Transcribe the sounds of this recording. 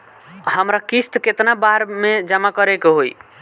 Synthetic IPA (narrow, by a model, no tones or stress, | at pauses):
həmɾakist̪ket̪nabaɾmed͡ʒəmakəɾekeɦoj